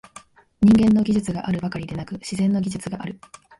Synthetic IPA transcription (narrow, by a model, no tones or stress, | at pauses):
ɲ̟ĩŋɡẽ̞nːo̞ɡʲiʑɨt͡sɨɡaʔaɾɯ̟bakaɾʲid̪e̞nakɯ̟ɕizẽ̞nːo̞ɡʲiʑɨt͡sɨɡaʔaɾɯ̟